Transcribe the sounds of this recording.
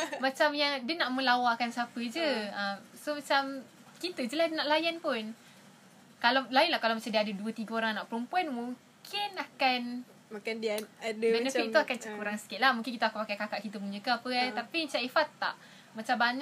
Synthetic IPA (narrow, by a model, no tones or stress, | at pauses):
mat͡ʃamjaŋdiənaʔmə̃lawakansapəd͡ʒəəmsomat͡ʃam | kit̪əd͡ʒəladənaʔlajanpʊn | kalalajnlahkalawmat͡ʃamdiadəduət̪iɡəoɾaŋnaʔpəɾumpuanmuŋ | kʰɪnakan | makandiaadəɛnəfik̚t̪uakant͡ʃəkuɾaŋsə̥kɪt̪̚lahmũŋkɪnkit̪akanpakajkakaʔkit̪əpuɲəkapət̪apiɲt͡ʃaʔifat̪ːa̰ʔ | mat͡ʃambaɲa